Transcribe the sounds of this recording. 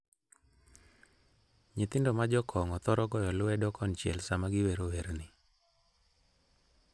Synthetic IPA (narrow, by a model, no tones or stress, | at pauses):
ɲɪt̪ɪndomad͡ʒɔkʰɔŋɔt̪ɔɾɔɡɔjɔlʊɛdɔkʰɔnt͡ʃjɛ̰lsamaɡɪweɾoweɾnɪ